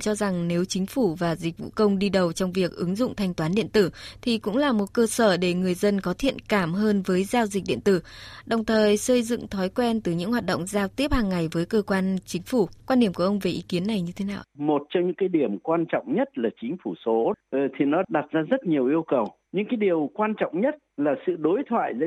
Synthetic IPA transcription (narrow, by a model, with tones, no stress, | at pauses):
t͡ɕɔ˧za˨˩ŋne˨˦wt͡ɕï˨˦ŋ̟fu˧˩vaː˨˩zi˨˩k̟̚vṵ˧˨kə˧wŋ͡mɗi˧ɗə˨˩wt͡ɕɔ˧wŋ͡mvi˨˩ək̚ʔɨ˨˦ŋzʊ̰˧˨ŋ͡mt̪ʰa˧jŋ̟t̪waː˨˦nɗḭ˧˨ənt̪ɨ˧˩t̪ʰi˨˩kʊ̰˧˥ŋ͡mlaː˨˩mo˨˩t̚kəː˧səː˧˩ɗe˧˩ŋɨ˨˩əjzə˧nkɔ˨˦t̪ʰḭ˧˨ənkaː˧˩mɦəː˧nvəː˨˦jzaː˧wzï˨˩k̚ɗḭ˧˨ənt̪ɨ˧˩ɗə˨˩wŋ͡mt̪ʰəː˨˩jsəː˧jzɨ̰˧˨ŋt̪ʰɔ˨˦jkwɛ˧nt̪ɨ˨˩ɲɨ̰˧˥ŋhwaː˨˩t̚ɗə̰˧˨ŋ͡mzaː˧wt̪i˦˥əp̚haː˨˩ŋːa˨˩jvəː˨˦jkəː˧kwaː˧nt͡ɕï˨˦ŋ̟fu˧˩kwaː˧nɗi˧˩əmku˧˩ʔə˧wŋ͡mve˨˩ʔi˨˦ki˨˦ənːa˨˩jɲɨ˧t̪ʰe˨˦naː˧˩wmo˨˩t̚t͡ɕɔ˧wŋ͡mɲɨ̰˧˥ŋkaː˨˦jɗi˧˩əmkwaː˧nt͡ɕɔ̰˧˨wŋ͡mɲə˦˥t̚laː˨˩t͡ɕï˨˦ŋ̟fu˧˩so˨˦˨t̪ʰi˨˩nɔ˨˦ɗa˨˩t̚zaː˧zə˦˥t̚ɲi˨˩əwʔi˧əwkə˨˩w | ɲɨ̰˧˥ŋkaː˨˦jɗi˨˩əwkwaː˧nt͡ɕɔ̰˧˨wŋ͡mɲə˦˥t̚laː˨˩sɨ̰˧˨ɗo˨˦jt̪ʰwa̰ː˧˨jzə̰˧˥